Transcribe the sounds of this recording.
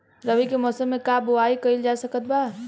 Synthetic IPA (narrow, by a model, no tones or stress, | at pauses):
ɾəbikemɔsəmːekaboaikəild͡ʒasəkət̪ba